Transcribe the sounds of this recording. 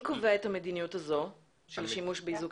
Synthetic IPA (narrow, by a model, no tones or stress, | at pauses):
koveet̪hamed̪inijut̪ɐzo | ʃelʃimuʃbeizuk